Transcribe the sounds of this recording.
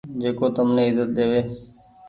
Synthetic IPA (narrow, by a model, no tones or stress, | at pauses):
d͡ʒeːkoːt̪əmnẽːɪzət̪̚ɗ̪eːʋeː